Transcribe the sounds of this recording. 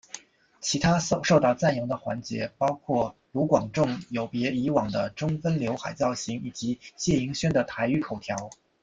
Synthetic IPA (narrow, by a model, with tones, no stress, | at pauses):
t͡ɕʰi˧˥t̪ʰa˥˧ʂo˥˧ʊt̪ɑ˥˧ʊt͡sa˥˩njʊ˧˥ŋd̪ə˧xwa̰˧˥nt͡ɕjɛ̰˧˥pɑ˥ʊkʰwɔ˥˩lu˧˥kwɑ˨˩ŋʈ͡ʂʊ˥˩ŋjo˨˩ʊpjɛ˧˥i˧˥wɑ˨˩ŋd̪ə˦ʈ͡ʂʊ˥ŋfə˥nljo˧˥ʊxa˨˩ɪt͡sɑ˥˩ʊɕi˧˥ŋi˨˩t͡ɕi˧˥ɕjɛ˥˩i˧˥ŋɕɥɛ˥nd̪ə˨t̪ʰa˧˥ɪy˥˩kʰo˨˩ʊt̪ʰjɑ˧˥ʊ